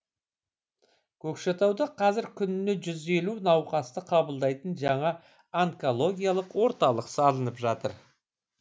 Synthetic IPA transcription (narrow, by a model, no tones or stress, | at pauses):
kʲʰɵkʃet̪ɑwd̪ɑqʰɑzɪɾkʲʰʏnɪneʒʏze̞lunɑwqɑst̪əqʰɑbəlˠd̪ɑjt̪ənʒɑɴɑ | aŋko̞lˠo̞ɡʲijalˠəqwo̞ɾt̪ɑlˠəqsɑlˠənəpʒɑt̪əɾ